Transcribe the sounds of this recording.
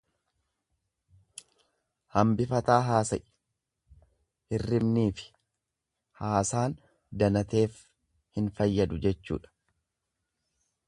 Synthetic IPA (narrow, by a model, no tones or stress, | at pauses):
hɐmbɪfɐt̪aːɦaːsɐʔ | hɪrːɪmniːfɪ̥ | haːsaːn | d̪ɐnɐt̪e̞ːf | hɪnfɐjːɐd̪ʊd͡ʒɛt͡ʃːṵːᶑɐ̥